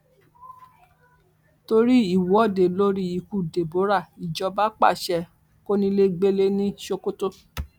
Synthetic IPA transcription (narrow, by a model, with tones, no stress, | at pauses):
to˧ɾi˦i˦˨wɔ˦˨de˨lo˦ɾi˦i˧˨ku˨de˨bo˨˦ɾa˦˨i˨d͡ʒɔ˧˦ba˦k͡pa̰˦˨ʃɛ˧ | ko˦nĩ˧le˦ɡ͡be˦le˦nĩ˦ʃo˧ko˦to˦